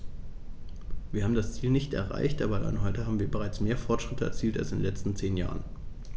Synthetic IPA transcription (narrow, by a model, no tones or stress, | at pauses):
viːɐhaːm̩dast͡siːlnɪçtɛ̰ɐʁa̰ɪçtʔaːbɐla̰ɪnɦɔʏtəhaːbm̩viːɐbəʁaɪt͡smeːɐfɔɐtʃʁ̥ɪtʰəɛ̰ɐt͡siːlta̰lsdenlɛt͡stn̩t͡seːnja̰ːʁən